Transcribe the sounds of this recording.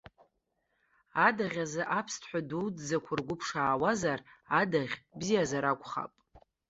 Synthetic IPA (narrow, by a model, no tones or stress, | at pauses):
adaʁʲazɨʔapʰstʰħʷaduwd͡zzakʷʰarɡʷʊpʰʂaːwazaradaʁʲbzijazaɾakʷʼχa̰pʼ